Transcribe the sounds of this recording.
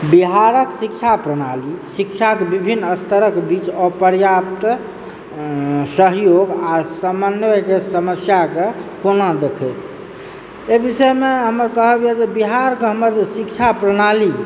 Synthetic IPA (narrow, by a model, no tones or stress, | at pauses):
biɦaɾəksik̚t͡ʃʰapɾəñalisik̚t͡ʃʰakebibʱinːəst̪əɾəkbit͡ʃɔpəɾjap̚t̪ | səɦjoɡasəmənɛkesəməsjakekonad̪ekʰət̪ʰ | ebisəjmeɦəməɾkəɦəbijɛd͡ʒebiɦaɾkeɦəməɾd͡ʒesikt͡ʃʰapɾəɽ̃ali